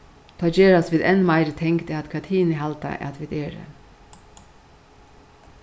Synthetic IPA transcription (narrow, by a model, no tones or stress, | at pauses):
t̪ʰɑːd͡ʒeːɾasʋiːd̪ɛnmɑɪɾət̪ʰɛŋkt̪ɛat̪kʰɑt̪ʰiːnəɦɑlt̪a̰ʔɛ̰at̪ʋiːd̪eːɾə̰